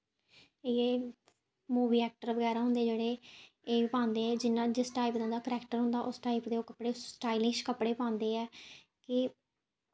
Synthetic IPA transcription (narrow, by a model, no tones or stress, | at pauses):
eeː | muːbiːɛːk̚ʈəɾʋəɡɛːɾaːɦʊnd̪eːd͡ʒeːɽeː | eːpãːnd̪eːɛːd͡ʒɪnãːd͡ʒɪsʈaːipd̪ãːd̪aːkəɾɛːkʈəɾɦʊ̃nd̪aːʔʊsʈaːipd̪eːokəpɽeːsʈaːilɪʃkəpɽeːpãːnd̪eːɛː | kɪ